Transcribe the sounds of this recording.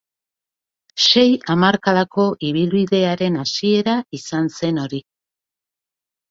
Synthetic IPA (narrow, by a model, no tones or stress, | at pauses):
se̞jamaɾkaðako̞ʔiβ̞ilβiðe̞aɾe̞nasie̞ɾaisanse̞no̞ɾi